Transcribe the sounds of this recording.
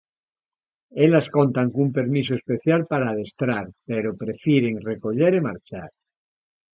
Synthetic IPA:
eʎaskont̪aŋkumpe̞ɾmis̬oespe̞θjalpaɾaːðest̪ɾaɾpeɾopɾefjiɾeŋreko̞ʎeɾemaɾt͡ʃaɾ

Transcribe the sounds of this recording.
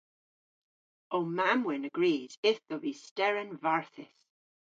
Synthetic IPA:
oːmamwɛnəɡɹiːz̥ɪθðəvistɛɹənvaɹθɪs

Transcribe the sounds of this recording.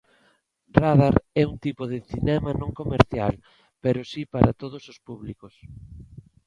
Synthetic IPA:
raðaɾɛuŋt̪ipoðɪθinɛmɐnõŋkomeɾθjal | peɾosipaɾat̪oð̞osospuβlikos

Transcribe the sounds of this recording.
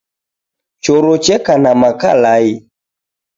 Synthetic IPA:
t͡ʃoɾot͡ʃɛkanamaka̰lai

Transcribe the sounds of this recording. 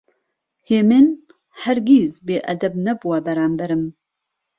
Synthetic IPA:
heːmen | hɛɾɡizbeːʔɐd̪ɛbnɛbuwabɛɾaːmbɛɾɨm

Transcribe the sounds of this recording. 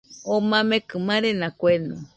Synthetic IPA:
omãmẽkɨmãɾenãkʷena

